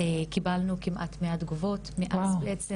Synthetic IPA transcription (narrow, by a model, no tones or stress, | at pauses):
ekibalnukimʔa̰tmeadɡuvotmiʔazbeʔet͡se